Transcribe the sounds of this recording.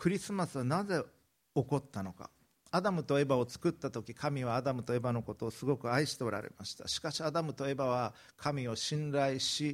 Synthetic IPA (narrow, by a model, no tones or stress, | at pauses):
kɯ̟ɾʲisɨmasɨβanaze̞ | o̞ko̞t̪ːano̞ka̰ | ad̪amɯ̟t̪o̞e̞bao̞t͡sɨ̥kɯ̟t̪ːat̪o̞kʲikʰamʲiβaːd̪amɯ̟t̪o̞e̞bano̞ko̞t̪o̞ːsɨɡo̞kɯ̟aiɕi̥t̪e̞o̞ɾʔa̰ɾe̞̰ma̰ɕi̥t̪a̰ɕi̥kaɕiad̪amɯ̟t̪o̞e̞baβ̞a | kʰamʲio̞ɕĩnɾaiɕi